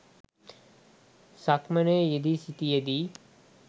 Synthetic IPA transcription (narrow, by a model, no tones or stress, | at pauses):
sakmənejed̪isit̪ijed̪i